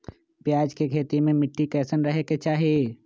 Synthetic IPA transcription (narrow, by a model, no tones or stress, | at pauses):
pjaːd͡ʒkekʰeːt̪imẽmɪʈːikɛːsənɾɐɦeket͡ʃaːɦie